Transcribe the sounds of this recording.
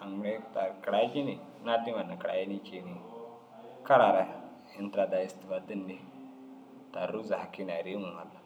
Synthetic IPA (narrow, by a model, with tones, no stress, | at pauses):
a˨ŋ˨ɾe˦ta˨kɾa˨˦d͡ʒi˦ni˨ | na˦di˦ma˨na˨kɾa̰˨ji˦ni˦ke˨ni˨ŋ | ka˦ɾa˨ɾa˨ | i˨n˦tɾa˨da˨ji˨sti˨va˨di˦nːi˦ | ta˨ɾu˦za˨ha˨ki˦n˨a˨ɾi˦mu˨ŋa˨lːa˨